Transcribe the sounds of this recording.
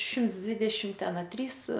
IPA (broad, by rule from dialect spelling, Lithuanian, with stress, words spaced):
ˈʃʲɪmts ˈdʲʋʲɪdʲɛʃʲɪm ˈtʲɛn ɐ ˈtʲrʲiːs